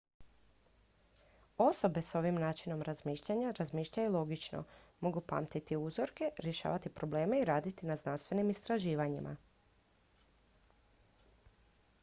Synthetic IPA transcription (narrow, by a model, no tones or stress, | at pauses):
o̞so̞be̞so̞ʋimnaːt͡ʃino̞mɾazmiːʃʎaɲaɾazmiːʃʎajulˠo̞ɡit͡ʃno̰mo̞ɡupa̰ːmt̪it̪iuzo̞ɾke̞ɾje̞ʃa̰ːʋat̪ipɾo̞ble̞ːmeiɾaːd̪it̪inaznanst̪ʋe̞nimist̪ɾaʒiːʋaɲimʔa̰